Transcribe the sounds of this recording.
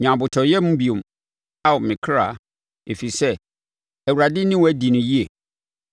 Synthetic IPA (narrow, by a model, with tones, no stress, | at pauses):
ɲã˨bʊ˨tʰɔ˨jɛ˦mũ˦bi˨õ˨m | a˦wʊ˨mɪ̃˨kʰɾa̰˨ | e˨fi˨sɛ˦ | æ˨wu˨ɾa˨dɪ˦nɪ̃˦wæ˦di˨nʊ̃˨ji˦e˨